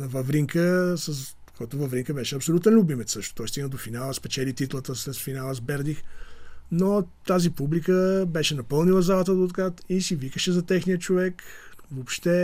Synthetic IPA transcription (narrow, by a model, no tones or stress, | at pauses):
nɐvɐvɾiŋkəsəs | kʰɔjt̪ʊvɐvɾiŋkəbɛʃɛɐpsolʲut̪ɛnlʲʊbimɛt̪sɤʃt̪ʊ̥t̪ɔjst̪iɡ̪nəd̪ofinalˠəspɛt͡ʃɛlit̪it̪lˠət̪əslɛsfinalˠəzbɛɾd̪ixnot̪azipublikəbɛʃɛnɐpɤlˠnilˠəzalˠɐt̪əd̪ot̪kat̪isivikəʃɛzɐt̪ɛxnijət͡ʃovɛkvopʃt̪ɛ